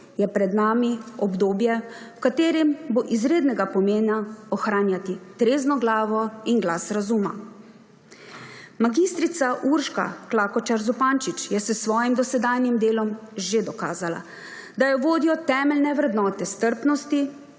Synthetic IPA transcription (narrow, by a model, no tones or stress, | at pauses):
jɛpɾɛd̪naːmiɔbd̪oːbjɛ | kat̪eːɾimboʔizɾeːd̪nɛɡapɔmeːnaɔxɾaːnjat̪it̪ɾeːznɔɡlaːʋɔinɡlasɾazuma̰ | maɡist̪ɾit̪saʔuɾʃka̰klaːkɔt͡ʃaɾzupaːnt͡ʃit͡ʃjɛsəsʋɔːjimd̪ɔsɛd̪aːjnjimd̪eːlɔmʒed̪ɔka̰ːzala̰ | d̪ajɛʋoːd̪iɔt̪ɛːmɛlnɛʋɾɛd̪nɔːt̪ɛst̪əɾpnɔst̪i